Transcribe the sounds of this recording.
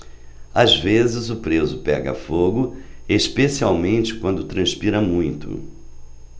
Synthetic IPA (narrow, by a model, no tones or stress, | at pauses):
azvezɪzʊpɾezʊpɛ̰ɡɐ̰foɡʊeʃpesiawmẽnt͡ʃɪ̥kwɐ̃nd̪ʊt̪ɾɐ̃spiɾɐmũj̃t̪ʊ̰